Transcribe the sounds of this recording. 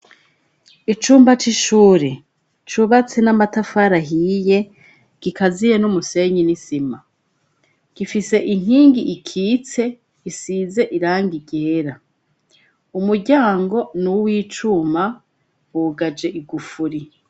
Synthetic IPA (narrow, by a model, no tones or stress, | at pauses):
it͡ʃuːmbat͡ʃiʃuːɾe | t͡ʃuβat͡se̞namatafaɾaɦije̞ | ɡ̥ikazijenumuse̞ɲinisima | ɡ̥ifise̞ʔiŋ̥hiːŋɡiʔikʰiːt͡se̞ | isiːze̞ʔiɾaːŋɡiɟeːɾa | umuɾɟaːŋɡo̞nuwiːt͡ʃuma | wuɡad͡ʒe̞ʔiɡufuɾi